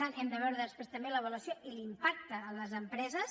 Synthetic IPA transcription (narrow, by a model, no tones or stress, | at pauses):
anɛmd̪əβɛwɾəðəspɾest̪əmbeləβələsijoʔilimpak̚t̪əːləzəmpɾɛzəs